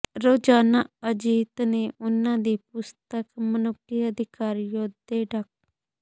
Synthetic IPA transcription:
ɾoːd͡ʒaːnaːəd͡ʒiːt̪neːʔʊnãːd̪iːpʊst̪əkmənʊkːiːəd̪ɪkaːɾijoːd̪eːɖək̚

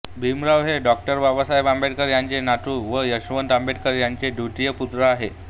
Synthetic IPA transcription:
bʱimɾaʋɦeɖɔk̚ʈəɾʋabasajbambeɽkəɾjaɲt͡senaʈʰuːʋəjəɕʋənt̪ambeɽkəɾjaɲt͡seɖʱuʈijəput̪ɾəaɦe

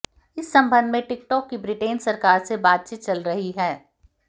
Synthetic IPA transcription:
ɪsːɐ̃mbə̃nd̪ʱmẽʈɪk̚ʈɔːkːibɾɪʈeːnsɐɾkaːɾsebaːd̪̚t͡ʃiːt̪̚t͡ʃɐlɾɐɦiɦɛː

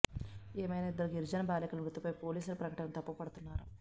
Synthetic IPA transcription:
eːmɐjnaːid̪ːɐɾuɡiɾd͡ʒɐnɐbaːlikulɐmɾut̪ːipɐjpoːliːsulɐpɾɐkɐʈɐnɐnt̪ɐpːupɐɽut̪unːaːɾu

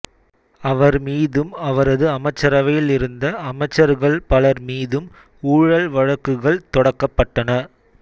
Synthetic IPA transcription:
ɐʋɐɾmiːðɯmɐʋɐɾɐðɯɐmɐɪt͡ʃːɐɾɐʋɐjɪlɪɾɯnd̪ɐʔɐmɐɪt͡ʃːɐɾɣɐɭpɐlɐɾmiːðɯm | uːɻɐɭʋɐɻɐkːɯɣɐɭt̪ɔɽɐkːɐpːɐʈːɐnɐ

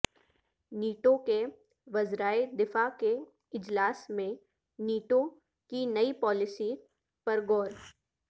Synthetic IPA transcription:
niːʈoke | ʋɐzɾaːed̪ɪfake | ɪd͡ʒlaːsmẽ | niːʈo | kinɐipɔːlɪsi | pɐɾɡɔːɾ

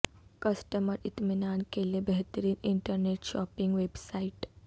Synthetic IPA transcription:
kɐsʈəməɾit̪minaːnkelebeɦt̪əɾiːniɳʈəɾneʈʃɔ̰ːpiŋɡʋebsaiʈ

